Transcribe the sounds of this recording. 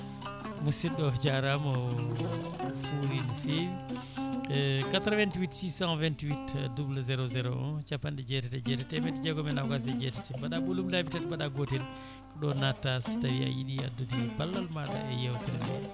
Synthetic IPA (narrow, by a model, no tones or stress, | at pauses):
musiɗɔt͡ʃaɾamɔ | fuɾinfewi | kat̪ɾvɛntwitsisãvɛntwitdubulazɛɾozɛɾɔ̰ɔ̰nt͡ʃapːandɛd͡ʒɛtɛtɛd͡ʒɛtɛtɛmɛtd͡ʒɛɡɔmɛnakas̬ɛd͡ʒɛtɛtɛbaɗaɓulumlabitatbaɗaɡotɛl | kɔɗɔnatːastawia̰jiɗia̰dutibalːalmaɗa̰ɛjɛwkilbɛ̰